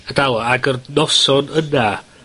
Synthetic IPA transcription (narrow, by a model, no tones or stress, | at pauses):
ədawaaɡərnɔsɔnəna